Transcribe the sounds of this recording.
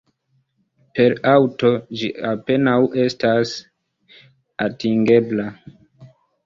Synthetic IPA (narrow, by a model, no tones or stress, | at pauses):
pe̞ɾawto̞d͡ʒiape̞nawʔe̞stas | atiŋɡe̞bla